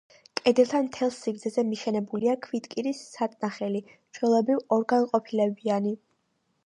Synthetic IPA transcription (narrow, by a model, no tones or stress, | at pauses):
kʼɛd̪ɛlˠt̪ʰamt̪ʰɛlˠsiɡɾd̪zɛzɛmiʃɛnɛbuliakʰvit̪ʼkʼiɾisːat̪ʼnaχɛli | t͡ʃʰwɛlˠɔbɾivɔɾɡanqʼɔpʰilɛbiani